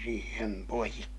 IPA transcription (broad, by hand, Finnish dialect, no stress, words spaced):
siːhem poikːi